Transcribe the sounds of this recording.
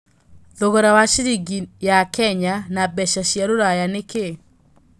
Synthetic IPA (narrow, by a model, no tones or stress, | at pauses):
ðoɣoɾawaʃiɾiɡijakɛɲanabɛʃaɕjaɾoɾajaneke